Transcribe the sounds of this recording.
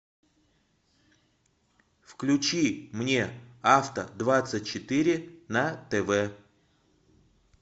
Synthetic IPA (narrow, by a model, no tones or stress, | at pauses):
fklʲʉt͡ɕimnʲeaft̪ə̰d̪vat̪sɨt̚ʲt͡ɕɪt̪iɾʲɪnət̪ɛvɛ